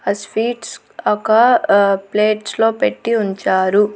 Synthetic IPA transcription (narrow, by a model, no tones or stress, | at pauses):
ɐspiːʈs | ɐkɐpleːʈslo̞ːpeʈːiuɲt͡ʃaːɾu